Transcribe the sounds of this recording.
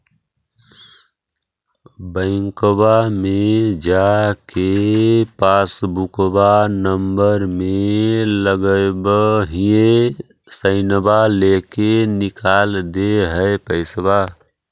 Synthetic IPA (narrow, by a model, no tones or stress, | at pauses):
bə̃ɪŋkbamed͡ʒakepasbukbanəmbəɾmeləɡəbəɦie | səɪnbalekenikald̪eɦəepəɪsba